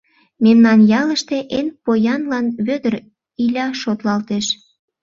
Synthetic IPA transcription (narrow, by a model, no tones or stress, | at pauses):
memnɑnjɑləʃt̪e̽ʔenpojɑnlɑnβød̪ər | ilʲɑʃot̪lɑlt̪eʃ